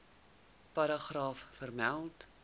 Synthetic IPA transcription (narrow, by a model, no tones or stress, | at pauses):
pɐɾɑχrɑːfːərmælˠt